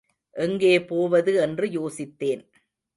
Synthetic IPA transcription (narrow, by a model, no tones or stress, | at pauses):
ʔɛŋɡeːpoːʋɐðɯɛndrɯjoːsɪt̪ːeːn